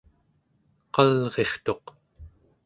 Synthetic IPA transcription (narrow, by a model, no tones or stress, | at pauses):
qɑlʁe̞χt̪o̞q